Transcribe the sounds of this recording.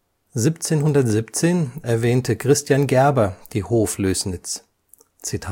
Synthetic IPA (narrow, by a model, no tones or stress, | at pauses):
ziːpt͡seːnɦʊndɐtz̥ipt͡seːnʔɛɐvɛːntəkʁ̥ɪstjanɡɛɐbɐd̥iːhoːfløːsnɪt͡s | t͡sitʰaː